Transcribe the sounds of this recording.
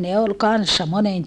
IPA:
ne ol kɑnsːɑ monen

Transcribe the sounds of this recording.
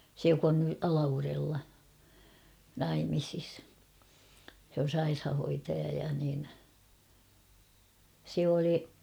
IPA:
se jok on ny ɑlɑʋurelːɑ nɑimisis sĕ on̞ sɑirhɑhoitɑjɑ jɑ nin se oli

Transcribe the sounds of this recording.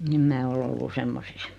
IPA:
em mæː ol olːu semːosis

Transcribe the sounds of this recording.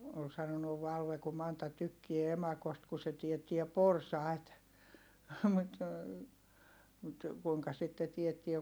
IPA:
ol sɑnonuʋ ʋɑlʋe ku mɑntɑ tykːie emɑkost ku se tietːiɛ porsɑˑi̯t mut kuiŋkɑ sitːe tietːie

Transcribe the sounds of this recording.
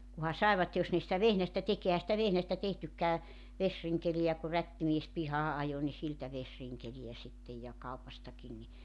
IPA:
kuhɑ sɑˑeʋɑt jos ne sĭtæ ʋehæstæ tek ehæ sĭtæ ʋehnæstæ tehtykˑæː ʋesriŋkelij̆æ ku rætːimies pihɑː ʔɑjo ni siltæ ʋesriŋkelij̆æ sitːej jɑ kɑupɑstɑkin ni

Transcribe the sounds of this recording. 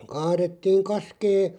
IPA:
kɑːretːiːŋ kɑskeː

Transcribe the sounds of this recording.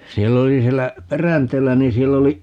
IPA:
sielː oli sielːæ perænteːlːæ ni sielː oli

